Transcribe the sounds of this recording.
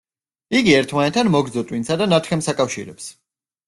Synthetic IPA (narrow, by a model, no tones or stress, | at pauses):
iɡiɛɾt̪ʰmanɛt̪ʰːanmɔɡɾd̪zɔt̪ʼwinsad̪anat̪ʰχɛmsakʼafʃḭɾɛ̰ps